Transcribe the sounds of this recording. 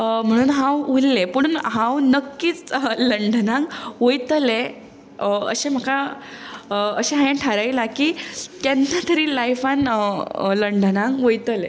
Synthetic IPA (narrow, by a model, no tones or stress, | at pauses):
m̤əɽ̃uːnɦãwulːepəɽuːnɦãwnəkːiːt͡sləɳɖənãŋɡʋojt̪əle | ə̰ɕẽm̤əka | əəɕẽɦãjãʈʰaɾajlakiːt̪janːat̪əɾiːlajfan | ləɳɖʱənãŋʋəjt̪əle